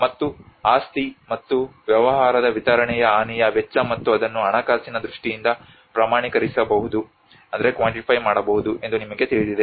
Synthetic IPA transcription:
mɐt̪ːuaːst̪imɐt̪ːuʋjɐʋɐɦaːɾɐd̪ɐʋit̪ɐɾɐɳɛjɐaːnijɐʋɛt͡ʃːɐmɐt̪ːuɐd̪ɐnːuɐɳɐkaːsinɐd̪ɾuʂʈijind̪ɐ | pɾaːmaːɳikɐɾisɐbɐɦud̪u | ɐnd̪ɐɾe̞kʋaːɳʈipʰɐjmaːɽɐbɐɦud̪uʔe̞nd̪unimɐɡe̞t̪iɭid̪id̪e

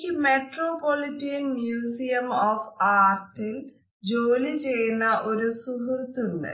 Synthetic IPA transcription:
kimeʈɾopoliʈinmjuziɐmɔfʰaɾʈel | d͡ʒoːlid͡ʒenaʔoɾosuɦuɾt̪uɾnə̰

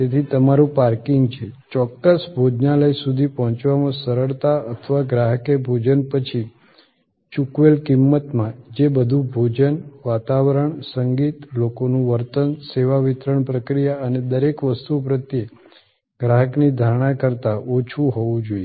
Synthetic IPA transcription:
t̪et̪ʰit̪əmaɾũpaɾkiŋɡt͡ʃʰet͡ʃɔkːəsbʱod͡ʒnaləjsud̪ʱipɔɦɔ̃t͡ʃʋamãsəɾəɭt̪aət̪ʰəʋaɡɾaɦəkebʱod͡ʒənpət͡ʃʰi | t͡ʃukʋelkimːət̪mãd͡ʒebəd̪ʱũbʱod͡ʒənʋat̪aʋəɾəɳsəŋɡit̪lokonũʋəɾt̪ənseʋaʋɪt̪ɾəɳpɾəkɾijaəned̪əɾekʋəst̪upɾət̪je | ɡɾaɦəknid̪ʱaɽ̃ãkəɾt̪aʔot͡ʃʰuɦɔʋũd͡ʒoie

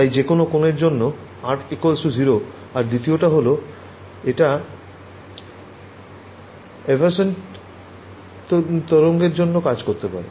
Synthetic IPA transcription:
t̪ajd͡ʑekonokoneɾd͡ʑonːo | aʈʰekolsud͡ʑʱiɾo | aɾd̪it̪ioʈaɦolo | eʈa | ebʱaɾsen | t̪ɔɾoŋɡeɾd͡ʑonːokad͡ʑkoɾt̪epa̰ɾḛ

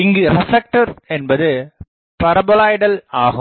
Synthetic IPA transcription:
ɪŋɡɯɾɐfɐk̚ʈɐɾɛnbɐðɯ | pɐɾɐbɔlaːjɽɐlaːɣɯ

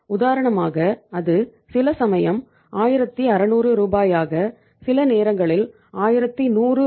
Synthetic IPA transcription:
ʊðaːɾɐɳɐmaːɣɐɐðɯsɪlɐsɐmɐjɐm | aːjɪɾɐt̪ːiɐɾɐnuːrɯɾuːbaːjaːɣɐ | sɪlɐneːɾɐŋɡɐɭɪl | aːjɪɾɐt̪ːinuːrɯ

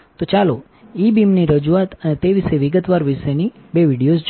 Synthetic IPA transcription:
t̪ot͡ʃalo | ibimniɾəd͡ʒuat̪ənet̪eʋiʃeʋiɡət̪ʋaɾʋiʃeni | beʋiɽijosd͡ʒ

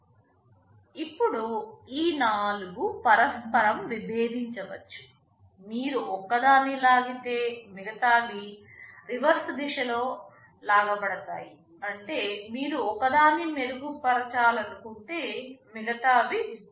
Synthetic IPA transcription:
ipːuɽuiːnaːluɡupɐɾɐspɐɾɐmʋibʱeːd̪ʱiɲt͡ʃɐʋɐ̰t͡ʃːu̥ | miːɾuɔkːɐd̪aːnilaːɡit̪e̞ːmiɡɐt̪aːʋi | ɾiʋɐɾsd̪iʃɐlo̞ː | laːɡɐbɐɽɐt̪a̰ːji | ɐɳʈe̞ːmiːɾuɔkːɐd̪aːnimeɾuɡupɐɾɐt͡ʃaːlɐnukuɳʈeːmiɡɐt̪aːbi

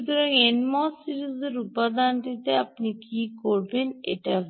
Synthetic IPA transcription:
t̪uɾɔŋenmɔsiɾizeɾupad̪anʈit̪eapnikikoɾbenḛʈa

